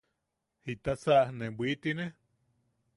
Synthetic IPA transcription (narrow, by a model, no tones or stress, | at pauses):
hit̪asaʔnebʷit̪ine